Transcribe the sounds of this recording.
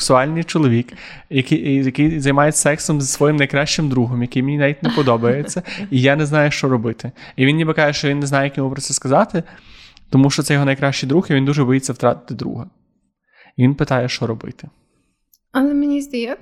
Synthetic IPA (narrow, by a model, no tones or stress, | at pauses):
ksʊɑlʲnɪjt͡ʃɔlˠɔʋʲik | jɐkjɐkɪjzɐjmɑjet͡sʲːɐ̥sɛksɔmzsʋɔjimnɐjkɾɑʃt͡ʃɪmd̪ɾuɦɔmjɐkɪjmʲenʲinaʋʲit̚ʲnepɔd̪ɔbɐjet͡sʲːɐijanɛznɑjɛʃt͡ʃɔɾɔbɪt̪ɪiʋinjʲibɐkɑjɛʃt͡ʃɔʋʲinːɛznɑjɛjɐkʲjʲɔɦupɾɔt̪sɛskɐzɑt̪ɪt̪ɔmuʃt͡ʃɔt̪sɛjɔɦɔnɐjkɾɑʃt͡ʃijd̪ɾuxiʋʲind̪uʒɛbɔjit͡sʲːɐwt̪ɾɑt̪ɪ̥t̪ɪd̪ɾṵɦɐ | iʋʲinpɪt̪ɑjɛʃt͡ʃɔɾɔbɪ̰t̪ɪ̥ | ɐlˠɛmenʲizʲd̪ɐjɛ